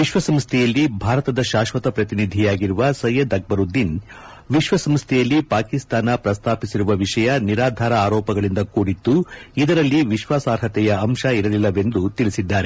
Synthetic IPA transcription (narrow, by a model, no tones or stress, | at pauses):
ʋiʃʋɐsɐmst̪ʰɛjɐlːibʱaːɾɐt̪ɐd̪ɐʃaːʃʋɐt̪ɐpɾɐt̪inid̪ʱijaːɡiɾuʋɐsɐjɐd̪ɐɡ̚bɐɾud̪in | ʋiʃʋɐsɐmst̪ʰɛjɐlːipaːkist̪aːnɐpɾɐst̪ʰaːpisiɾuʋɐʋiʂɐjɐniɾaːd̪ʱaːɾɐaːɾɔːpɐɡɐɭind̪ɐkuːɽit̪ːuid̪ɐɾɐlːiʋiʃʋaːsaːɾɦɐt̪ɛjɐːmʃɐiɾɐlilːɐʋe̞nd̪ut̪iɭisid̪ːaːɾe